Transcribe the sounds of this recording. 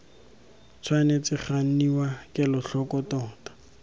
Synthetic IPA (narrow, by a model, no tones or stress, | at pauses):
t͡sʰwanet͡sɪχan̩niwakʼɪlʊɬɔkɔtɔːtḁ